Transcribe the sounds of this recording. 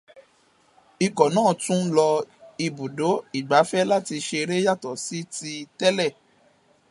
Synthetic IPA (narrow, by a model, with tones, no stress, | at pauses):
i˧kɔ˨nãː˦˨tũ˦lɔ˧i˧bu˨do˨˦i˨ɡ͡ba˨˦fɛ˦la˦˨ti˧ʃe˧ɾe˦ja˦˨tɔ˨si˨˦ti˧tɛ˦lɛ˦˨